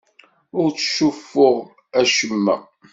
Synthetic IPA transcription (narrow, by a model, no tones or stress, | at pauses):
ʊɾt͡sːʃufːʊʁ | æʃəmːæ̰